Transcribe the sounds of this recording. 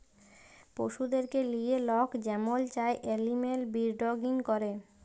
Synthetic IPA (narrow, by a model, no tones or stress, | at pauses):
poʃud̪eɾkelijelɔkd͡ʑɛmolt͡ɕaeʔelimelbiɾɖoɡinkoɾe